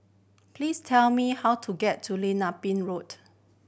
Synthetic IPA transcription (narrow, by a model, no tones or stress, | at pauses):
plistʰɛlmihawtʰuɡɛtʰːulẽnapĩnɹot